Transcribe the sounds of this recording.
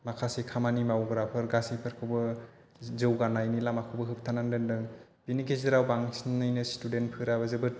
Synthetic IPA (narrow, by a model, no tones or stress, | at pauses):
makʰasekʰamanimawɡɾapʰɯɾɡasipʰɯɾkʰɯwbɯ | zɯwɡanajnilamakʰɯwbɯɦɯp̚tʰanandɯndɯŋ | b̥inikʰezɯɾawbaŋsnɯjnɯstudent̚pʰɯɾabɯzɯbɯɾ